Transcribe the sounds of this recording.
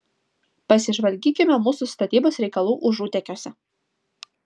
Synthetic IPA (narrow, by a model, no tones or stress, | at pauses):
pɐsʲɪʒʋɐlʲɡʲiːkʲɪmʲɛmuːsʊst̪ɐt̪ʲiːboːsɾʲɛɪkɐlˠuːʔʊʒuːt̪ʲɛkʲoːsʲɛ